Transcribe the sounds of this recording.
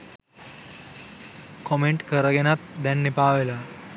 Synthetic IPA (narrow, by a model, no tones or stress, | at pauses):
kɔmeɳʈkəɾəɡenat̪̚d̪janːipaʋela